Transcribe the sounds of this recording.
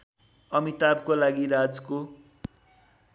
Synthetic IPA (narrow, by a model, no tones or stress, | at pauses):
ʌmit̪abkolaɡiɾad͡zko